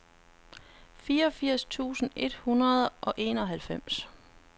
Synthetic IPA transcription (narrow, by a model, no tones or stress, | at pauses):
fiːɐɒ̽fiɐ̰st͡sʰṵːsn̩e̝d̥hunɐð̞ˠʔɒ̽ʔe̝ːnɒ̽ɦælfem̰s